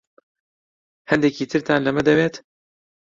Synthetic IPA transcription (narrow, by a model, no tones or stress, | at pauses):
hɛnd̪ɛkiːt̪ʰɨɾt̪ʰaːnlɐmɛd̪ɛveːt̪